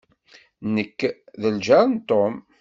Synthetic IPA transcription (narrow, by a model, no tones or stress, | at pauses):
nəkːðəld͡ʒɑɾˤnt̪om